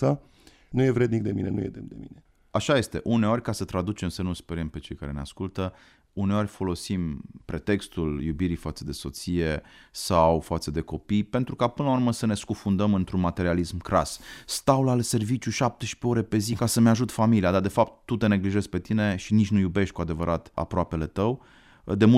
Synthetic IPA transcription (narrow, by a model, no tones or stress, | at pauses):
a | nuje̞vɾed̪nik̚d̪emḭnenṵjḛd̪ḛmd̪ḛmḭne | aʃaje̞st̪e̞ʔune̞o̞rʲkasət̪ɾad̪ut͡ʃemsemnulspeɾəmpe̞t͡ʃe̞jkaɾe̞neaskult̪ə | une̞o̞rʲfo̞lo̞simpɾe̞t̪e̞kst̪uljubiɾifat̪səd̪e̞so̞t̪sije̞sawfat̪səd̪e̞ko̞pijpe̞nt̪ɾukapɨnlauɾrməsəne̞skufund̪əmɨnt̪ɾunmat̪e̞ɾialismkɾasst̪awlalse̞rvit͡ʃʲjuʃap̚t̪eʃi̥pe̞o̞ɾe̞pe̞zikasəmeaʒut̪familiad̪ad̪e̞fapt̪ːut̪e̞ne̞ɡliʒe̞zpe̞t̪ine̞ʃinit͡ʃʲnujube̞ʃt̪̚ʲkuad̪e̞vəɾʔat̪a̰pɾoape̞le̞t̪əw | d̪e̞mu